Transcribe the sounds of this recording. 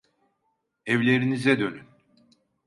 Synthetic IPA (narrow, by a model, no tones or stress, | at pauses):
ɛvlʲe̞ɾinizɛd̪ø̞nyn